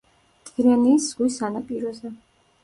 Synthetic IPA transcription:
d̪̥ʼiɾɛniːsz̥ɡwisanapʼiɾɔzɛ

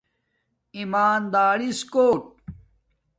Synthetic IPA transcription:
imaːnd̪aːɾiskoːʈ̚

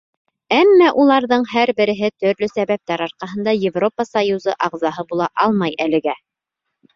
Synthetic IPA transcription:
æmːæʔulˠɑɾðɤɴhæɾbɘ̆ɾɘ̆ɦɘt̪ɵ̆ɾlɵsæβæp̚t̪æɾɑɾqɑɦɤ̆nd̪ɑjɪvropəsajuzɤ̰ʔɑʁzɑɦɤbulˠɑʔɑlˠmɑjælɘ̆ɡæ

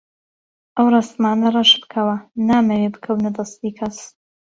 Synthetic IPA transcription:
ʔɐwrˤɑst̪maːnɐrˤɑʃbɨkʰɐwɐnaːmɐwebɨ̥kʰɐwnɐd̪ɐst̪iːkʰɐs

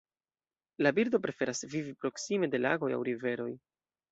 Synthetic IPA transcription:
labiɾdo̞pɾe̞fe̞ɾasvivipɾo̞ksime̞de̞la̰ɡo̞ja̰wɾive̞ɾo̞j

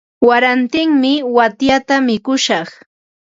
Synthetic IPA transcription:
waɾant̪ɪŋmɪwat̪jat̪amɪkʊʃɑχ

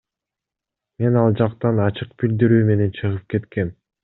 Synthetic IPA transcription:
me̞nɑlˠd͡ʒɑqt̪ɑnɑt͡ʃɯqpild̪iɾyːme̞ne̞nt͡ʃʰɯʁɯp̚ke̞t̪ke̞n

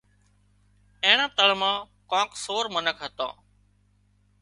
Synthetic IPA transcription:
ẽːɳãːt̪əɭmãː | kãːksoːɾmənəkʰɦət̪ã̰ː

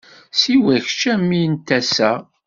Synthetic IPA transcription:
siwæçt͡ʃːæmːint̪æsæ

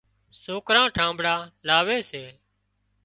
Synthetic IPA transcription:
soːkɾãːʈʰãːmbʱɽaːlaːʋeːseː

